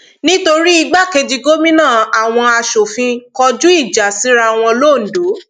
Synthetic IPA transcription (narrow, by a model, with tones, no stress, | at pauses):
nĩ˦to˧ɾi˦i˧ɡ͡ba˦˨ke˧d͡ʒi˧ɡo˦mĩ˦nãː˦˨a˨w̃ɔ̃˧a˧ʃo˨fĩ˧kɔ˧d͡ʒũ˦i˦˨d͡ʒa˨si˨˦ɾa˧w̃ɔ̃˧loː˦˨n̩˨do˨˦